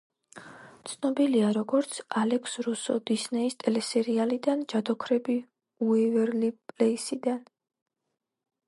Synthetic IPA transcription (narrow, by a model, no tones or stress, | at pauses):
t̪sʰnɔbiliaɾɔɡɔɾt̪sʰalɛkʰsɾusɔd̪isnɛist̪ʼɛlɛsɛɾialid̪and͡ʒad̪ɔkʰɾɛbi | uɛvɛɾlipʼlɛisid̪an